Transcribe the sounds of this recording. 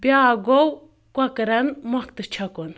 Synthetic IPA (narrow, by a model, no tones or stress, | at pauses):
bjaːɡow | kʷɐkɾɐnmɔkt̪ɨt͡ʃʰɐkon